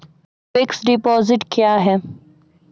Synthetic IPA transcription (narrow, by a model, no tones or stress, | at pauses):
fɪksɖɪpɔːzɪʈkjaːɦɛː